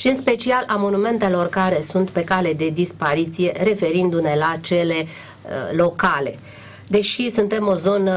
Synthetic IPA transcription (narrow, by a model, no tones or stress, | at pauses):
ʃiɨnspe̞t͡ʃialʔamo̞nume̞nt̪e̞lo̞rkaɾe̞sunt̪pe̞kale̞d̪e̞d̪ispaɾit̪sije̞ɾe̞fe̞ɾind̪une̞lat͡ʃe̞le̞̰ | lo̞kale̞̰ | d̪e̞ʃisunt̪e̞mo̞zo̞nə